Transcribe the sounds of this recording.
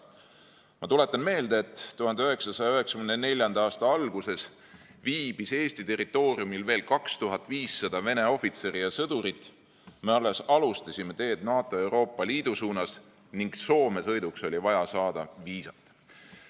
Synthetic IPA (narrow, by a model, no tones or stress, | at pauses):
mɑt̪ule̞t̪ːˑɑnme̞ːld̪̥eet̪ːtːuɦɑnd̪eøe̞ksɑsɑjɑøɦe̞ksɑ̥kynene̞lʲjɑnd̪̥ɑɑːst̪ɑɑlɡ̥use̞s | viːb̥ise̞ːsʲt̪it̪e̞rit̪ːˑo̞ːriumilve̞ːlkɑkst̪uɦɑt̪ːˑviːsːɑd̪̥ɑve̞ne̞o̞fit̪se̞ɾijɑsɤd̪uɾit̪ˑ | me̞olːesɑlust̪ɑsʲime̞t̪e̞ːd̪̥nɑːt̪ːˑo̞e̞wɾo̞ːpːˑɑliːd̪̥usuːnɑs | niŋɡ̥so̞ːme̞sɤ̞jd̪ukso̞lʲivɑjɑsɑːd̪̥ɑviːsɑt̪ːˑ